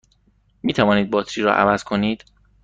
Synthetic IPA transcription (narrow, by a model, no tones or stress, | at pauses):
miːt̪ʰævɒːniːd̪̚bɒːt̪ʰɾiːɾɒ̰ːʔæ̰væz̥kʰo̞niːd̪̥